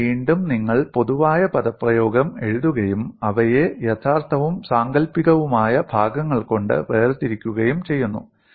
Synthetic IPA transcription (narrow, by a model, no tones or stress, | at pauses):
ʋiːɳɖumniŋːɐɭpo̞ðuʋaːjɐpɐðɐpːrɐjo̞ːɡɐme̞ɻuðuɣɐjumɐʋɐjejɐt̪ʰaːrt̪ʰɐʋumsaːŋɡɐlpːiɣɐʋumaːjɐbʱaːɡɐŋːɐɭko̞ɳɖɨ̰ʋeːrɨt̪ːiɾikʲːuɣɐjumt͡ɕe̞jːunːṵ